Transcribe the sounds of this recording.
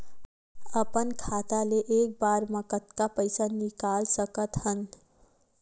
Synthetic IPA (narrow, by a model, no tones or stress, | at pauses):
əpənkʰat̪aleʔek̚baɾməkət̪kapəɪsanikalsəkət̪hən